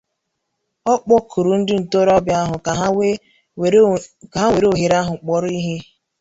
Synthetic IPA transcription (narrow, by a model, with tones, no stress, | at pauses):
ɔ˦k͡pɔ˦kʰu˨ɾu˨n̩˦dɪ˦n̩˨to˦ɾɔ˦bja˦ɦʊ˨ | a˨ɦa˦we˨ɾe˦o˨ɦe˨ɾa˦ɦʊ˨k͡pɔ˦ɾi˦ɦe˦